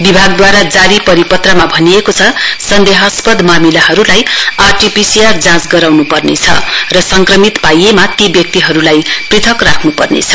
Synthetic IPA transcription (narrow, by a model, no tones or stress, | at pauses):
bibʱaɡd̪waɾad͡zaɾipʌɾipʌt̪ramabʱʌniekot͡sʰʌsʌnd̪eɦʌspʌd̪ʱmamilaɦʌɾulajarʈipisiard͡zãt͡sɡʌɾawnupʌrnḛt͡sʰʌ̰rʌsʌŋkrʌmit̪pajemat̪ebjʌk̚t̪iɦʌɾulajprit̪ʰʌkrakʰnupʌrnḛt͡sʰʌ̥